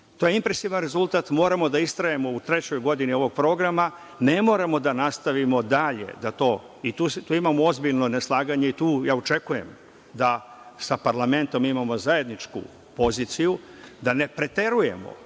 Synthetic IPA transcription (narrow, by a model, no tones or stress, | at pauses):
t̪ojeimpɾesiʋanɾe̞zulˠt̪aːt̪mo̞ːɾamo̞d̪aist̪ɾajemo̞ut̪ɾe̞t͡ɕo̞jɡo̞d̪inio̞ʋo̞ɡ̚pɾo̞ːɡɾama | ne̞mo̞ːɾamo̞d̪anast̪aʋimo̞d̪aʎe̞̰d̪at̪o̞ː | it̪uːst̪uːimamoo̞zbiʎno̞neslˠaːɡaɲe̞it̪uːjaːot͡ʃe̞kuje̞m | d̪a | sapaɾlˠame̞nt̪o̞mimamo̞zaje̞d̪nit͡ʃkṵ | po̞ziːt̪siju | d̪ane̞pɾe̞t̪e̞ɾuje̞̰mo̞̰